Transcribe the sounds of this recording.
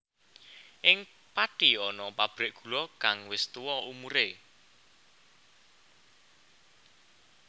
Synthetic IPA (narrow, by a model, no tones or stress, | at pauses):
ʔɪŋ | paʈiɔnɔpab̥ɾɪʔɡ̥ṳlɔkaŋwɪst̪uwɔumuɾe